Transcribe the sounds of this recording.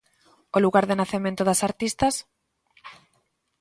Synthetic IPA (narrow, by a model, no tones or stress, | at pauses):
oluɣaɾðɪnaθemẽnt̪oðasaɾt̪ist̪as